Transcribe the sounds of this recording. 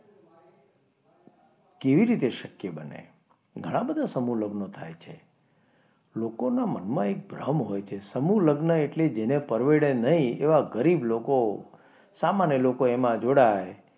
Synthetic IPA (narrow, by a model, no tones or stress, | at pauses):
keʋiɾit̪eʃəkjebənḛ | ɡʱəɽ̃ãbəd̪ʱasəmuləɡnot̪ʰa̰jt͡ʃʰe | lokonamənmãek̚bɾəɦmɦojt͡ʃʰesəmuləɡnəeʈled͡ʒenepəɾʋeɽenəɦĩḛʋaɡəɾibloko | samanjəlokoemãd͡ʒoɽaj